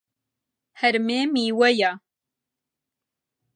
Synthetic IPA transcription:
hɛɾmeːmiːwɛja

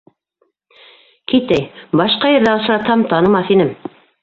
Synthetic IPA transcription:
kit̪æjbɑʃqɑjɘ̆ɾðæŏs̆ɾɑt̪hɑmt̪ɑnɤ̆mɑθinɘm

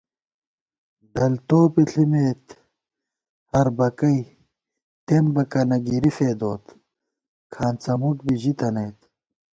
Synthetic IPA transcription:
ɖ̪ɐlt̪oːpiɬimeːt̪ | hɐɾbɐkɐij | t̪embɐkɐnɐɡiɾifeːd̪oːt̪ | kʰaːnt͡sɐmuk̚biʑit̪ɐnɐjt̪

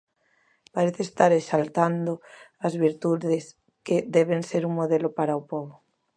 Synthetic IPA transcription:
paɾeθeːst̪aɾeʃalt̪and̪oazβiɾt̪uðes | ked̪ɛβ̞enseɾuŋmoðelopaɾaopoβo

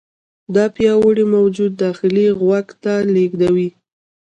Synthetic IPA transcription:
d̪ɑpjɑwəɽimawd͡ʒud̪̚ːɑxɪliɣwaɡt̪aleɡd̪awi

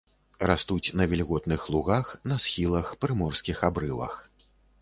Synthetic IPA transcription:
ɾast̪ut͡sʲnɐvʲilʲɣɔt̪nɨxlˠuɣaxn̪ɐsxʲilˠɐxpɾɨmɔrskʲixabɾɨvɐ̰x

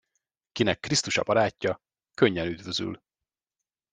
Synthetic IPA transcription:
kinɛkːrist̪uʃɒ̰bɒɾaːcːɒ | køɲːɛnyd̪vøzy̰l

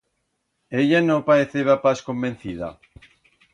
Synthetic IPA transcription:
eʎanõpaɾeθeβapaskombẽn̟θiða̰

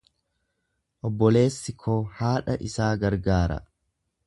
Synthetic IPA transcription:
ʔɔbːɔle̞ːsːɪkʰoːhaːᶑɐ̰ʔɪsaːɡɐɾɡaːɾɐ̰

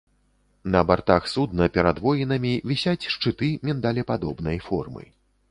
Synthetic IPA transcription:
nɐbart̪axsud̪nɐpʲɛɾad̪vɔjinɐmʲivʲisʲat͡sʲʂt͡ʂɨt̪ɨmʲɛnd̪alʲɛpad̪ɔbnɐjfɔrmɨ̰

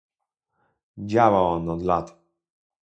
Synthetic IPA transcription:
d͡ʑawawɔnɔd̪lat̪

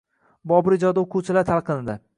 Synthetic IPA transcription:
bɒbɪɾɪd͡ʒɒd̪aoqʰʊwt͡ʃʰɪlat̪ʰalˠqʰɨnɪd̪ɪ

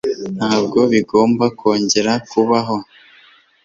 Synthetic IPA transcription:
n̥haːb̚ɡo̞βiɡo̞ːmbakʰo̞ːɲɟe̞ɾakuβaɦo̞

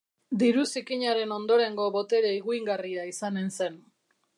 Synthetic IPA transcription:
d̪iɾusikiɲaɾe̞no̞nd̪o̞ɾe̞ŋɡo̞βo̞t̪e̞ɾeiɣuiŋɡariaisane̞nse̞n

